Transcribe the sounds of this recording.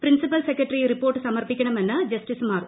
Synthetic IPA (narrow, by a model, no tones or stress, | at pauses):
pɾinsipɐlsekːɐʈːɐriɾipːoːrʈːɨsɐmɐrpikʲːɐɳɐmenːɐd͡ʑɐsʈismaːrɨ